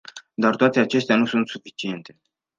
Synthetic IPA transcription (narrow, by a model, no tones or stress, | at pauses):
d̪art̪oat̪e̞at͡ʃe̞st̪eanusunt̪sufit͡ʃie̞nt̪e̞